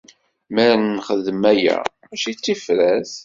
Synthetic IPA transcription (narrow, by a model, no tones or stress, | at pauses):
mæɾnːχəðəmæjæ̰mæʃit͡sːifɾæθ